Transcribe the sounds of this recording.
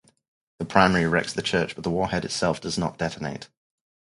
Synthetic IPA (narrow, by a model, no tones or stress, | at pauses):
ðəpʰɹ̥aɪmɛːɹiɹɛk̚tsðət͡ʃʰɜˑt͡ʃb̥ʌʔðəwɔːhɛdɪtsɛlˠfd̥əznə̰ʔd̥ɛtəneɪt